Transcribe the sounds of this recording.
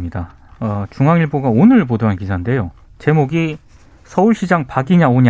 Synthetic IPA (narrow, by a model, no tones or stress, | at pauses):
ɲida | ʌt͡ɕuŋaŋiɭboɡaonɯɭp̬odoɦankisʰande̞jo | t͡ɕe̞moɡi | sʰʌuɭɕ͈ʰid͡ʑaŋpaɡiɲaoɲa